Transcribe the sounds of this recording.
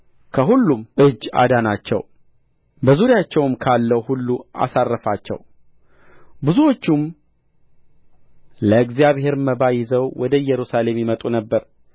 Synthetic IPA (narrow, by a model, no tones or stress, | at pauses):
kʰəɦulːumʔɨd͡ʒːa̰d̪anat͡ʃːɛ̰w | bəzuɾɪjat͡ʃːɛwɨmkʰalːəwhulːua̰sarːəfat͡ʃːɛ̰w | bɨzuwo̞t͡ʃːum | ləɨɡzijaβhe̞ɾməbajɪzəwwɔd̪əɨjɛɾusale̞mjɪmət̪ʼunəbːəɾ